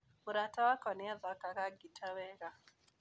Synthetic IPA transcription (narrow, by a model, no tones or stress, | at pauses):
mʊɾatawakɔnɪaðɔkakaɡitʰawɛɣa